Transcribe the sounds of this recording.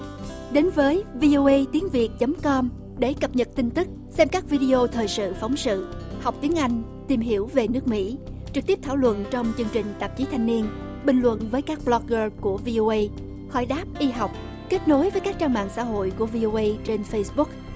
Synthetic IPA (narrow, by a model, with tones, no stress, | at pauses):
ɗe˨˦nvəː˨˦jvi˧ʔo˧ʔə˧jt̪i˨˦əŋvi˨˩ək̚t͡ɕə˨˦mkɔ˧m | ɗe˧˩kə˨˩p̚ɲə˨˩t̚t̪i˧ŋt̪ɨ˦˥k̚sɛ˧mkaː˦˥k̚vi˧ɗi˧ʔo˧t̪ʰəː˨˩jsɨ̰˧˨fa˨˦wŋ͡msɨ̰˧˨ha˨˩wk͡p̚t̪i˨˦əŋʔa˧jŋ̟ | t̪i˨˩mɦi˧˩əwve˨˩nɨ˦˥ək̚mḭ˧˥ | t͡ɕɨ˨˩k̚t̪i˦˥əp̚t̪ʰaː˧˩wlwə̰˧˨nt͡ɕɔ˧wŋ͡mt͡ɕɨ˧əŋt͡ɕï˨˩ŋ̟t̪ə˨˩p̚t͡ɕi˨˦t̪ʰa˧jŋ̟ni˧ən | ɓï˨˩ŋ̟lwə̰˧˨nvəː˨˦jkaː˦˥k̚ɓlɔ˧k̚ɣəː˧ku˧˩əvi˧ʔo˧ʔə˧j | xɔ̰˧˩jɗaː˦˥p̚ʔi˧ɦa˨˩wk͡p̚ | ke˦˥t̚no˨˦jvəː˨˦jkaː˦˥k̚t͡ɕaː˧ŋma̰ː˧˨ŋsa̰ː˧˥ɦo̰˧˨jku˧˩əvi˧ʔo˧ʔə˧jt͡ɕe˧nfə˧jsɓʊ˦˥k̚